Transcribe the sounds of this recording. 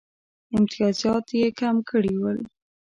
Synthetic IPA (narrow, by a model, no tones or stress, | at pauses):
ɪmt̪ijɑzjɑt̪jekamkəɽiwəl